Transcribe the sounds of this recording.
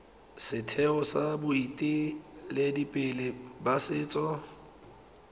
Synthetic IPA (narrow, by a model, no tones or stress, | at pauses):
sɪtʰɛʊsabʊitʼɪlɪdipʼɪlɪbasɪːt͡sʼɔ